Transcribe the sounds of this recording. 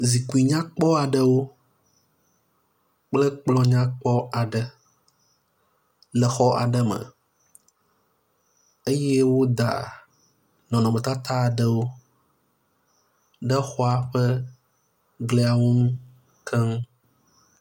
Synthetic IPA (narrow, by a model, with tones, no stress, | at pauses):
zi˨ku˨i˨ɲã˦k͡pɔ˦a˨ɖə˦wo˦ | k͡plɛ˦k͡plɔ̃˦ɲã˦k͡pɔ˦a˨ɖə˦ | lɛ˨xɔ˦ʔa̰˨ɖə˦mə̰̃˨ | e˦jɛ˦wo˦d̪a̰˨ | nɔ̃˨nɔ̃˨mə̃˨t̪a˦t̪ʰa˦˨ɖə˦wo˦ | ɖə˦xɔ˦a˨ɸə˦ | ɡle˦a˨wu˦ŋũ˦ | kʰɛ˦ŋ˦